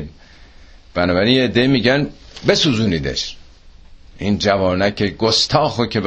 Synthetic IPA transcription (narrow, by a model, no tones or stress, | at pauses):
n | b̥ænɒːbæɾinjeed̪ːe̞imiːɟænbe̞suːzuːniːd̪ḛʃ | ʔind͡ʒævɒːnæcʰeɡost̪ʰɒːxocʰeb